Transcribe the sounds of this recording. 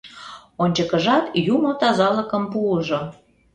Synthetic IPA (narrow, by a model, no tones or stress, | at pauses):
onʲt͡ɕəkəʒɑt̪jumot̪ɑzɑləkəmpuəʒo